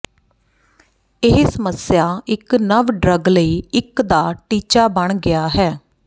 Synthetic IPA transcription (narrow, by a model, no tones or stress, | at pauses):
ɪɦsəməsjaːɪknəʋɖɾəɡləiːɪkd̪aːʈiːt͡ʃaːbəɳɡɪaːɦɛː